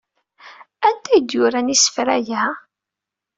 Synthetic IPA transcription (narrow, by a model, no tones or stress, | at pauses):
ænt̪æjəd̪jʊɾænisə̥fɾæjæ